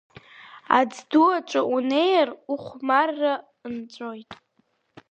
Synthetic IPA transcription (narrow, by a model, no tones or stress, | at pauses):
a̰d͡zduat͡ʃʷʼaʔunejaruχʷmarːa | ɨnt͡sʷʼojtʼ